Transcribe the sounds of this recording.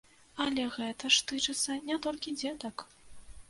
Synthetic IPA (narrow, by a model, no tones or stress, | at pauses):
ɐlʲɛɣɛt̪ɐʂt̪ɨt͡ʂɨt̪sːɐnʲat̪ɔlʲkʲid͡zʲɛd̪ɐk